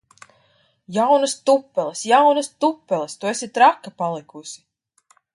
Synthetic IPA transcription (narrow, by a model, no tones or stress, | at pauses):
jawnɨst̪upːɛlˠesjawnɨst̪upːɛlˠest̪uesit̪ɾakːapalˠikusʲi̥